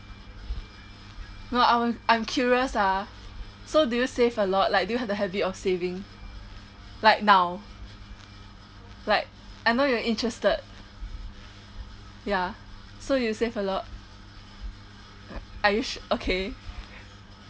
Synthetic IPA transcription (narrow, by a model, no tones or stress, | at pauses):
noãʔãj̃mkʰjuɹiəsa | sodujusevəlɔt̚laɪk̚dujuɦɛvəɦɛbitɔfsevĩŋ | laɪk̚naʊ | laɪk̚ʔanojɔʔĩntɹɛstəd̚ | ja | sodujusevəlɔt̚ | ajuʃokʰe